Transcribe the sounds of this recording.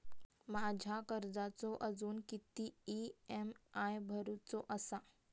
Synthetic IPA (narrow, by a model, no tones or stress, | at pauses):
mad͡ʑʱakəɾd͡zat͡sɔʔəd͡zuːnkit̪iiemajbʱəɾut͡sɔʔəsa